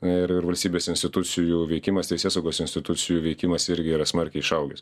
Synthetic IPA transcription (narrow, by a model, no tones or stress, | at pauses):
ɐɪɾɪɾʋɐlʲsʲt̪ʲiːbʲeːsɪnʲsʲt̪ʲɪt̪ʊt͡ssʲɪjuːʋʲɛɪkʲɪmɐst̪ʲɛɪsʲeːsɐʊɡoːsɪnʲsʲt̪ʲɪt̪ʊsʲɪjuːʋʲɛɪkʲɪmɐsɪɾʲɡʲɪiːɾɐsmɐɾʲkʲɛɪɪʃɐʊɡʲɛs